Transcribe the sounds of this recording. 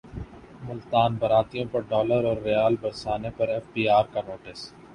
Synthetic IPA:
mʊlt̪aːnbɐɾaːt̪ijõpɐɾɖɔːləɾɔːɾːejaːlbɐɾsaːnepɐɾeːfʈiːaːɾkanoːʈɪs

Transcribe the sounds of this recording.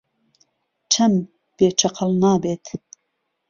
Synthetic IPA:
t͡ʃʰɐm | b̥eːt͡ʃʰɐqʰəlnɑːbeːt̪ʰ

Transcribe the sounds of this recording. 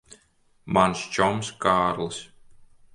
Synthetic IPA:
manst͡ʃɔmskaːɾlˠɨs

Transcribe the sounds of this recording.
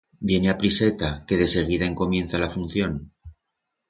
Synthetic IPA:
bje̞neapɾise̞t̪ake̞ðe̞se̞ɣ̞iðae̞ŋko̞mje̞n̟θalafun̟θjo̞n

